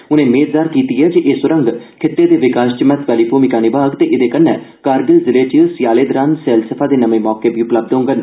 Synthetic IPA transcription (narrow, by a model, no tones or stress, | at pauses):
ʊnẽːmeːzaːɾkiːt̪iɦɛːd͡ʒiʔeːsʊɾə̃ŋɡkʰɪt̪ːeːd̪eːʋɪkaːʃt͡ʃəmɛt̪ʋɛːliːpʰoːmikaːnibaːɡt̪eːʔɪd̪eːkənːɛ̃ːkaːɾɡəlzɪleːt͡ʃisjaːleːd̪ɾãːnsɛːlsəpʰaːd̪eːnəmẽːmɔːkeːbʱiːʊpləb̚d̪ɦõːŋɡən